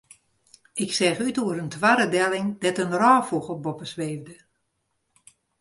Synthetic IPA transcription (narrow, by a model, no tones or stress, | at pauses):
ɪksɛxytuəɾəntʰʋaɾədɛlɪŋdɛtənraːfuxɔbɔpəsʋeːvdə